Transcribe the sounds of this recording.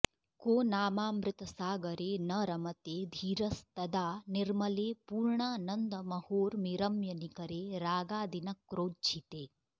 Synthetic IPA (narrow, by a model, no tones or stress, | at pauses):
koːnaːmaːmɾɪt̪ɐsaːɡɐɾeːnɐɾɐmɐt̪eːd̪ʱiːɾɐst̪ɐd̪aːnɪɾmɐleːpuːɾɳaːnɐnd̪ɐmɐhoːɾmiɾɐmjɐnikɐɾeːɾaːɡaːd̪inɐkːɾoːd̪̚d͡ʒit̪eː